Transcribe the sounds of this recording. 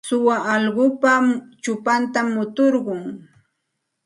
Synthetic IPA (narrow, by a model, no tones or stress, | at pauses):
sʊwaʔɑlɢʊpat͡ʃʊpant̪amːʊt̪oɾɢʊŋ